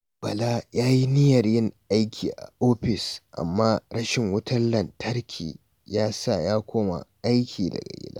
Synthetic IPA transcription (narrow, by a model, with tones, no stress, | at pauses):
b̥ɐ˨laː˦jaː˦ji˦nɪ˦jɐ˨rjɪ˦ŋʔa˦jkʲʰiː˨ʔa̰˨ʔoː˦ɸɪ˨sʔa̰˨mːaː˦ɾɐ˦ʃɪ˨ŋwʊ˦tʰɐ˦nlɐ˨ntʰɐ˦rkʲʰḭː˨ | jaː˦sa˦˨jaː˦kʷʰoː˦ma̰˨ʔa˦jkʲʰiː˨dɐ̰˨ɡa̰˨ɡʲɪ̰˦la̰ː˦